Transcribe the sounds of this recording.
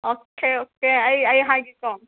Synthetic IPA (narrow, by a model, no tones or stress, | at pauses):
okeokeajɐjɦãɡikɔm